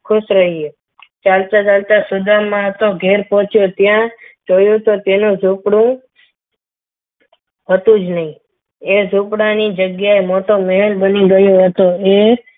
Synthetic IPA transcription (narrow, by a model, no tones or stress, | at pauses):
kʰʊʃɾəɦie | t͡ʃalt͡ʃat͡ʃalt̪asʊd̪amãɦət̪oɡʱeɾpɔ̃t͡ʃʰjot̪jãd͡ʒojũt̪ot̪enũzʱupɽũ | ɦət̪ũd͡ʒnəɦĩ | ezʱupɽanid͡ʒəɡjaemoʈoməɦɛlbəniɡəjoɦət̪oe